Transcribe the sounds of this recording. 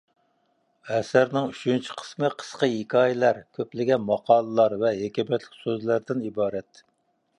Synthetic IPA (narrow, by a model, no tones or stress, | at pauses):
ɛsæɾnɪŋyt͡ʃʰynt͡ʃʰi̥qʰə̥smɨqʰə̥sqəjikʰʲɑːjɪlæɾkʲʰøplɪɡʲɛnmɑqʰɑːlˠəlˠɑɾvɛɦekʲɛmɛt̪lɪkʲsøzlæɾd̪ɪnibɑːɾɛt̪